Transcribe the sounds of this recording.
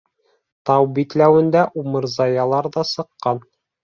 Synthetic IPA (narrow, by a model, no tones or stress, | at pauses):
t̪ɑwbit̪læwɘ̆nd̪æʔumɤ̆ɾzɑjɑlˠɑɾðɑsɤ̆qːɑn